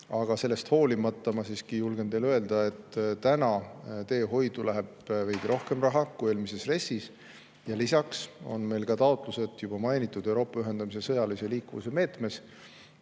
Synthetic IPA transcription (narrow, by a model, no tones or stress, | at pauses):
ɑɡ̥ɑse̞lːe̞st̪ho̞ːlimɑt̪ːɑmɑsiːskijulɡ̥e̞nt̪e̞jlø̞e̞ld̪̥ɑe̞t̪ːt̪ænɑt̪e̞ːɦo̞jd̪̥ulʔæɦe̞b̥vejd̪̥iɾo̞hke̞mrɑɦɑkueːlmise̞sre̞sːis | jɑlisɑkso̞̰nme̞jlkɑt̪ɑot̪ˑluse̞t̪ˑjub̥ɑmɑjnit̪ːˑud̪̥ewɾo̞ːpːˑɑyɦe̞nd̪̥ɑmise̞sɤ̞jɑlise̞liːkːuvṵse̞me̞ːt̪me̞s